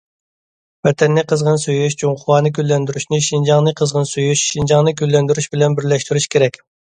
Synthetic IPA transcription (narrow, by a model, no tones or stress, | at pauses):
vɛt̪ʰɛnːɪqʰəzʁənsøjyʃd͡ʒuŋqʰʊwɑːnɨkʲʰølːɛnd̪yɾyʃnɪʃind͡ʒɑŋnɨqʰəzʁənsyjyʃʃind͡ʒɑŋnɨkʲølːɛnd̪yɾyʃbɪlɛnbɪɾlɛʃt̪yɾyʃkʲʰeɾɛkʲ